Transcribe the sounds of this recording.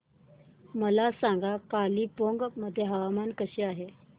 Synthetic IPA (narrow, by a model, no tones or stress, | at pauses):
məlasaŋɡakaliːpoŋɡməd̪ʱːjeɦəʋamankəɕeaɦe